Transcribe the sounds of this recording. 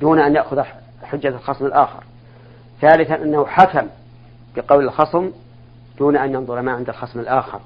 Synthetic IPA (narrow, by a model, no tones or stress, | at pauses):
d̪uːnaʔanjaʔxʊð | ħʊd͡ʒːalxɑsˤmɪlʔaːxɪ̰ɾ | θaːlɪθanʔanːahʊħakam | b̥ɪqɑwlɪlxɑsˤm | d̪̥uːnaʔanjɑnðˤʊɾmaʕɪnd̪alxɑsˤmɪlʔaːxɪ̰ɾˤ